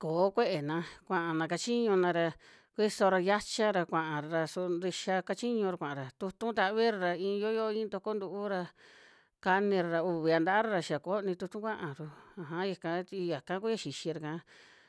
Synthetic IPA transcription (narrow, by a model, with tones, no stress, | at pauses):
koː˨˦kʷe˦ʔe˨nã˧kʷã˧˨ʔa˨nã˨˧ka˧t͡ʃi˦ɲũ˧nã˧ɾa˧ | kʷi˦so˧ɾa˧ja˦t͡ʃa˦ɾa˧kʷã˨ʔã˨ɾɾa˧su˧nɾi˧ʃa˧ka˧t͡ʃi˦ɲũ˧ɾa˧kʷã˨ʔɾa˨t̪u˧t̪ũ˦t̪a˧˦βi˦ɾa˧ɾa˧ĩː˧jo˦jo˦˧ĩ˦t̪o˧ko˦nd̪u˧ʔu˦ɾa˧ | ka˧nĩ˧ɾa˧ɾa˧u˧βi˨˧a˧nd̪a˧˦ʔa˦ɾa˧ɾa˧ʃi˧a˨ko˨˦˧nĩ˧t̪u˧t̪ũ˦kʷã˦ʔã˨ɾu˧a˨ɦã˦ja˧kã˧˦t̪i˧ja˨kã˦ku˦a˧ʃi˨ʃi˧ɾa˧kã˧˦